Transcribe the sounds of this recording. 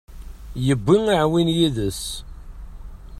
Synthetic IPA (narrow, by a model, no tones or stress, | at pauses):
jəbːiŋiʕwinjiðəs